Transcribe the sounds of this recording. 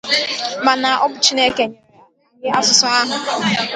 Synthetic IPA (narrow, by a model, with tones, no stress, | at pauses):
ma˨na˨ʔɔ˦bʊ˨t͡ʃi˦ne˦ke˨ɲe˨˦˨je˦a˦sʊ˨sɔ˦a˦ɦʊ˨